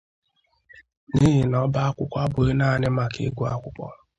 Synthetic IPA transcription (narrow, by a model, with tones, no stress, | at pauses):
ni˦ɦɪ˨nɔ˦ba˦a˦kʷʊ˦kʷa˦bʊ˨e˦na˦˨nɪ˦ma˨kḛ˨˦ɡʷu˦a˦kʷʊ˦kʷɔ̰˦